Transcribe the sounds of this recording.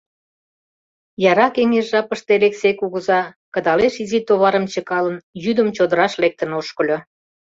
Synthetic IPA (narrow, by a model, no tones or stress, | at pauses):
jɑɾɑkeŋeʃʒɑpəʃt̪eleksekuɣəzɑkə̆d̪ɑleʃizit̪oβɑɾəmt͡ɕəkɑlənjyd̪əmt͡ɕod̪əɾɑʃlek̚t̪ənoʃkə̆lʲo